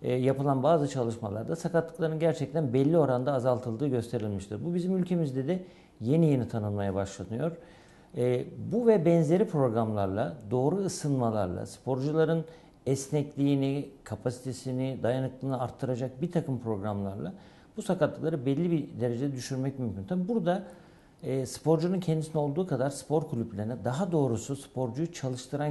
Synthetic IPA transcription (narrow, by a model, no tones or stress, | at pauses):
japɯlˠanbaːzɯt͡ʃʰalˠɯʃmalˠa̰ɾd̪asakat̪lˠɯ̥klˠaɾɯnɟæɾt͡ʃʰɛc̚t̪ʰænbɛlʲːio̞ɾand̪aːzalˠt̪ʰɯlˠd̪ɯːɟø̞st̪ʰe̞ɾilʲmiʃt̪ʰɯɾbubizimylʲcʰe̞mizd̪ɛd̪ɛ | je̞nije̞nit̪ʰanɯnmajabaʃlˠanɯjo̞ɾ̥ | buvɛbɛnze̞ɾipɾo̞ɡɾamlˠaɾlˠad̪o̞ːɾuːsɯnmalˠa̰ɾlˠa̰spʰo̞ɾd͡ʒulˠaɾɯn | ɛsnɛclʲiːnikʰapʰasi̥t̪ʰe̞sinɪd̪ajanɯklˠɯːnɯaɾt̪ʰːɯɾad͡ʒak̚bit̪ʰakɯmpʰɾo̞ɡɾamlˠa̰ɾlˠa̰ | busakat̪lːˠɯklˠaɾɯbɛlʲːibid̪e̞ɾe̞d͡ʒed̪ɛd̪yʃyɾmɛc̚mymcʰʲynt̪ʰabibuɾd̪aː | spo̞ɾd͡ʒununcʰɛnd̪isinɛo̞lˠd̪uːkʰad̪aɾspʰo̞ɾkʰulʲyplʲeɾinɛd̪aɦad̪o̞ːɾususpʰo̞ɾd͡ʒujut͡ʃʰalˠɯʃt̪ʰɯɾan